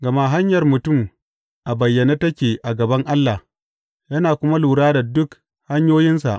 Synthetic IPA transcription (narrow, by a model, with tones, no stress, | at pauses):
ɡɐ˨ma˦ɦa˦ɲjɐ˨rmʊ˨tʊ˦˨m | ʔa˨bɐ˨jːɐ˨naː˦tɐ˦kʲeː˨ʔa˨ɡɐ˨bɐ˦ŋʔa˦lːa˨ | jɐ˦naː˨kʷʊ˦ma˦luː˨ɽaː˦da˨dʊ˦k | ha˦ɲjoː˦jɪ˦nsa̰˨ʔ